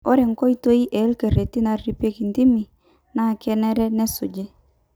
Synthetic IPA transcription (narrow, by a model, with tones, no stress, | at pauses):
ɔ˦ɾɛ˨ŋkɔ˦i˦to˦i˦ʔɛ˨˦lke˨ɾe˨ti˦na˨ɾɾi˦pe˦ki˨ndi˦mi˨ | na˦˨kɛ˦nɛ˦ɾɛ˦nɛ˦su˨d͡ʒe˦